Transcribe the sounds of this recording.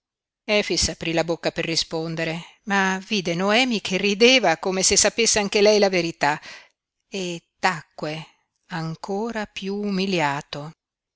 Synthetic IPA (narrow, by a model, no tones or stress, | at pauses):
ɛːfisapɾilabokːaperːispond̪eɾemaviːd̪enoɛːmikʰerːid̪eːvakomesesːapesːeaŋkelɛjlaveɾit̪a | et̪ːakːwe | aŋkʰoːɾapjuumiljaːt̪o